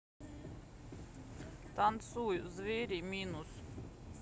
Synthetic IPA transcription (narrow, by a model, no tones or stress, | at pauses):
t̪ant̪suːjuzviːɾiːminus